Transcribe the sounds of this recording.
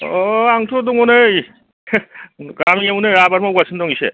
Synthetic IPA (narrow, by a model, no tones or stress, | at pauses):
aŋtʰuduŋɔnɯj | ɡamiŋamunɯɾabaɾmaɡasʰɯndɔŋisḛ